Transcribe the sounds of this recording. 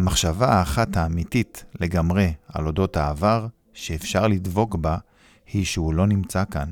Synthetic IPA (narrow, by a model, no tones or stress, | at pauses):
amaχʃavaːχathaːmititle̞ɡamʁea̰lo̞do̞thaːvaʁ | ʃeːfʃaʁlidvo̞kba | hiʃeulo̞nimt͡sakan